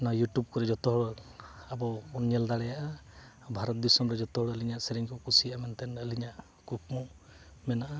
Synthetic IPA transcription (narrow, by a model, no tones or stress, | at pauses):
najuʈjub̚kɔɾɛd͡ʒɔt̪ɔɦɔɽɔabɔɔnjeld̪aɽɛjaʔa | bʱaɾɔt̪̚d̪isɔmɾɛd͡ʒɔt̪ɔɦɔɽɔliɲaʔseɾiŋkɔkusijaʔamɛnt̪ɛnəliɲaʔ | kuk̚mu | mɛnaʔa